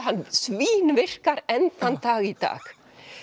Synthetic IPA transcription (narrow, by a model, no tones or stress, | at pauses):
hansʋiːnʋɪr̥kaɾɛnt̪ant̪ɑːɣit̪ɑ̰ːk